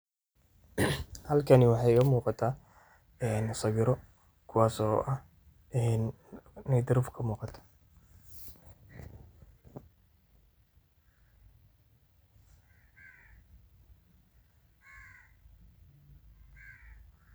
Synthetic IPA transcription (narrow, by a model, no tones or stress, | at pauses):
hɐlkʰɐnɪwɑħɑjkʰɐmuːqɑt̪ʰaː | ɛːnsɐɣɪɾɔ | kʰʊwaːsɔʔɐh | ɛːn | nɛd̪ɪɾʊfkʰɐmuːqɑt̪ʰḁ